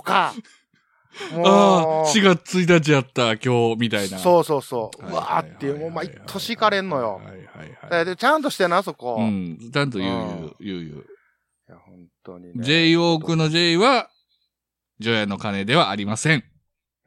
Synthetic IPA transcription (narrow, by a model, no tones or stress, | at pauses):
oka | moaːɕiɡat͡sɨ̥t͡sɨit̪at͡ɕiat̪ːakʲo̞ːmʲit̪ainasoːso̞ːsoːɯa̰t̪ːeɯmoːmait̪ʰːoɕikaɾẽ̞nːo̞jo̰ha̰iha̰iha̰d̪ad̪et͡ɕãnt̪oɕi̥t̪enasoko̰ɯ̟̃ɴt͡ɕãnt̪̬o̞jɯjɯ̰jɯːjɯ̟̰ː | jahõnt̪oɲid͡ʑe̞io̞ːkɯ̟no̞d͡ʑe̞iβa | d͡ʑo̞jano̞kane̞d̪e̞βaːɾʲimasẽ̞ŋ